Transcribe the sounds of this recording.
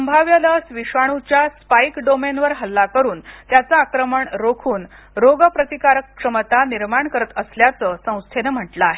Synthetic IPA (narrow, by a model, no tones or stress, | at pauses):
səmbʱaʋjalasʋiʂaɽ̃ut͡ɕjaspajkɖomenʋəɾɦəlːakəɾuːnt̪jat͡saːkɾəməɳɾokʰuːn | ɾoɡəpɾət̪ikaɾəkʂəmət̪aniɾmaɳkəɾət̪əsljat͡səːsə̃w̃st̪ʰenəm̤əʈləaɦe